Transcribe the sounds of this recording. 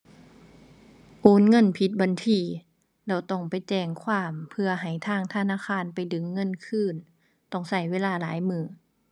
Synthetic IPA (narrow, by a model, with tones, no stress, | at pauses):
ʔoː˧˥˨nŋɤ˧˥˨npʰi˧˦t̪̚ba˧˨nt̪ʰiː˧˩ | lɛː˧˩wt̪ɔ˧˩ŋpa˨jt͡ɕɛː˧˩ŋkʰwaː˧˥˨mpʰɯ˧ɐɦa˨˩jt̪ʰaː˧˩˨ŋt̪ʰa˧naː˧˥˨kaː˧˥˨npa˨˩jdɯ˨˦ŋːɤ˧˥˨nkʰɯː˧˥˩n | t̪ɔ˧˩ŋsa˧˩jweː˧˥˨laː˧˩˨laː˨˦jmɯː˧˩